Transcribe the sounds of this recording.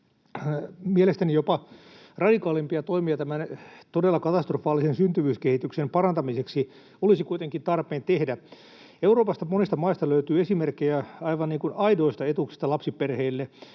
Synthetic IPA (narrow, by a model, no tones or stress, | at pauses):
mielest̪ænijopɑ | rɑdikɑːlimpiɑt̪oimiɑt̪æmænt̪odelːɑkɑt̪ɑst̪rofɑːlːˑisensynt̪yʋyːskehit̪yksempɑrɑnt̪ɑmiseksi | olisikuit̪eŋkint̪ɑrpeːnt̪ehdæ | euroːpɑst̪ɑmonist̪ɑmɑist̪ɑløyt̪yːesimerkːejæɑiʋɑnniːŋkunɑidoist̪ɑet̪uksi̥st̪ɑlɑpsiperheːlːe